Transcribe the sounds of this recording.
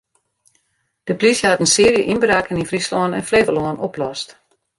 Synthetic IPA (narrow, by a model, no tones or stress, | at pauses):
d̥əplisjəhatənsɪəɾjəʔinbrakəninfristɔːnɛ̰nfleːvəlɔːənoplɔst